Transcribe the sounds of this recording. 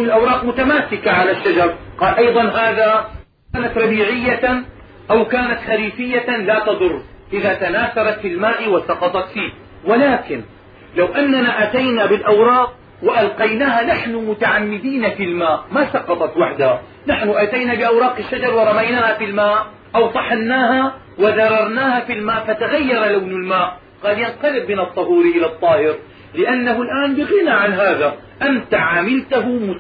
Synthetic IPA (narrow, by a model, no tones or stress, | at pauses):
ɪlʔɑwɾˤɑːqmʊt̪amaːsɪkaʕalaʃːad͡ʒɑɾˤqɑːlʔɑjd̪ˤɑnɦaːða | kaːnat̪ɾˤɑbiːʕɪjːa | ʔawkaːnat̪xaɾiːfɪjːalaːt̪ɑd̪ˤʊrˤːʔɪðat̪anaːθɑɾˤɑt̪filmaːʔwasɑqɑt̪ˤɑt̪fiː | wɪlaːkɪn | lawʔanːanaʔat̪ajnabɪlʔɑwɾˤɑːq̚ | wɪʔalqɑjnaːhanaħnʊmʊt̪aʕamːɪd̪iːnafilmaːʔmasɑqɑt̪ˤɑt̪waħd̪aha | naħnʊʔat̪ajnabɪʔawɾˤɑːqɪʃːad͡ʒɑɾˤwɪɾˤɑmajnaːhafilmaːʔ | ʔawt̪ˤɑħanːaːɦa | wɪðɑrˤːɑɾˤnaːhafilmaːʔfat̪aɣajːɑɾˤlawnalmaːʔ | qɑːljanqɑlɪbmɪnɨt̪ˤːɑɦuːɾʔɪlat̪ˤːɑːhɪɾ | lɪʔanːaɦʊlʔaːnbɪɣɪnaʕanɦaːða | ʔant̪aʕaːmɪlt̪aɦʊmʊ